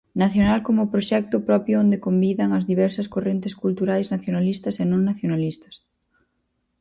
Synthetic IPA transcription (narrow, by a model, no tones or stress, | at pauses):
naθjonalkomʊpɾoʃɛk̚t̪ʊpɾɔpjʊond̪ekombiðɐŋɐzðiβɛɾsɐskorent̪ɪskult̪uɾajznaθjonalist̪ɐsenõŋnaθjonalist̪ɐ̥s